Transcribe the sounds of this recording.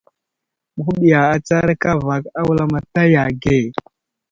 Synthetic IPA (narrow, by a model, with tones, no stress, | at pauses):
mə˨xu˦ɓi˨ja˨a˨t͡sa˦ɾka˦va˨ka˦wu˦la˦ma˨ta˦ja˨ɡe˦˨